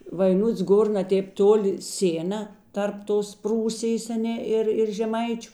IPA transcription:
ʋɐɪˈnʊts ˈɡoːr nɐ ˈtʲeːp ˈtoːˌlʲɪ ˈsʲeːnɐ ˈtɐrp ˈtoːs ˈpruːsʲɪjeːs ɐˈnʲɛ ˈɪr ɪr ʒʲɛˈmɐɪt͡ʃʲʊ

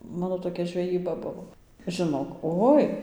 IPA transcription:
ˈmɑːnoː toːˈkʲɛ ʒʲʋʲɛˈjiːbɐ ˈbʊʋoː ʒʲɪˈnoːk ˈoːɪ

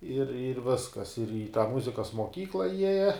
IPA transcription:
ɪr ɪr ˈʋʲɪskɐs ɪr iː tɑː ˈmʊzʲɪkɐs moːˈkʲiːklˠɐ ˈjiɛjɛ

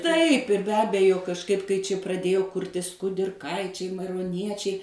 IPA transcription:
tɐɪp ɪr bʲɛ ˈɑːbʲɛjoː kɐʃˈkɐɪp kɐɪ ˈt͡ʃʲɪ prɐˈdʲeːjoː ˈkʊrʲtʲɪs kʊdʲɪrˈkɐɪt͡ʃʲɛɪ mɐɪroːˈnʲiɛt͡ʃʲɛɪ

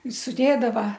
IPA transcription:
sʊˈdʲeːdɐʋɐ

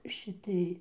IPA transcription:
ʃʲɪˈtʲɪj

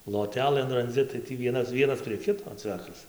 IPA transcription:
lˠoːˈtʲæːlˠɘn rɐnʲˈd͡zʲɪ tɐɪ ˈtʲiː ˈʋʲiɛnɐs ˈʋʲiɛnɐs pʲrʲiɛ ˈkʲɪtoː ˈt͡sʲʋʲæːkɐs

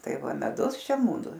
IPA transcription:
ˈtɐɪ ˈʋɐ mʲɛˈdʊs ˈʃʲɛ mʊˈdʊ

